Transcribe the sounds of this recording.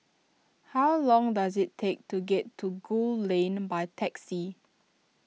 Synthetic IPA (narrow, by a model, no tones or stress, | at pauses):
hawlɔ̃ŋdazɪtʰːek̚tuɡɛtʰːuɡullẽnbajtʰɛksi